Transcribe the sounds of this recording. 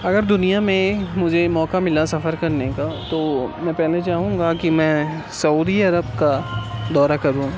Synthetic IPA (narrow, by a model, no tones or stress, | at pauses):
ɐɡəɾd̪ʊnijamẽmʊd͡ʒʱemɔːkamɪlasɐfəɾkɐɾnekat̪oːmɛ̃ːpɛɦlet͡ʃaːɦũːŋ̆ɡakimɛ̃ː | sɐuːd̪iɐɾəb̚kad̪ɔːɾakɐɾũː